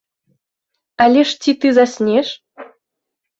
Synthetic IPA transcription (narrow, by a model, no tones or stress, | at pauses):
alʲeʂt͡sʲit̪ɨzasʲnʲeʃ